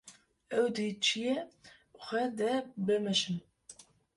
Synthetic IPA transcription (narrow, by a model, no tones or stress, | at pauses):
ɛwd̪it͡ʃʰijɛ | xʷɛd̪ɛbəmɛʃɨm